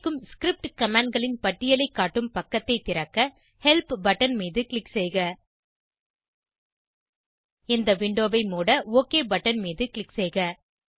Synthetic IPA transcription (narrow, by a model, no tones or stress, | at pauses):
kːɯmskɪɾɪp̚ʈkɐmaːɳɖ̚ɡɐɭɪnpɐʈːɪjɐlɐɪkːaːʈːɯmpɐkːɐt̪ːɐɪt̪ːɪɾɐkːɐ | hɛlpbɐʈːɐnmiːðɯkɪɭɪksɛɪɣɐ | ɪnd̪ɐʋɪɳɖoːʋɐɪmoːɽɐoːkeːbɐʈːɐnmiːðɯkɭɪksɛɪɣɐ